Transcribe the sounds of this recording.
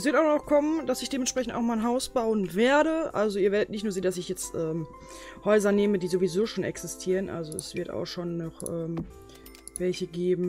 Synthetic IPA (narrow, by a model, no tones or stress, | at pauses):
ʔɛsv̥ɪɐtaʊxnɔχkʰɔmənd̥asɪçd̥eːmɛnʃpʁ̥ɛçn̩taʊxmaːnɦaʊsb̥aʊənveːɐdəʔa̰lzoiːɐveːɐdətnɪçtnuːɐzeːndasɪçjɛt͡stʔɛːm | hɔʏzɐneːmədiːzovizoːʃoːnɛ̰ksɪstʰiːʁ̞ənʔa̰lzoɛsv̥ɪɐta̰ʊxʃoːnːɔχʔɛːm | vɛlçəɡeːbm̩